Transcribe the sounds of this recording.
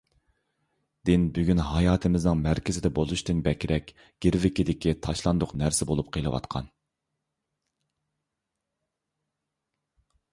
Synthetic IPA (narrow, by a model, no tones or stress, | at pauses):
d̪̥ɪnbyɡʲynhɑjɑːt̪ʰɪmɪznɨŋmæɾkʲɪzɪd̪ɛbolˠuʃt̪ɨnbɛkʲɾɛkʲ | ɡ̥ʲiɾvɪkʲid̪ɪkʲit̪ʰɑʃlˠɑnd̪ʊqnæɾsɪbolˠup̚qʰelˠɨwɑ̰t̪qʰɑ̰n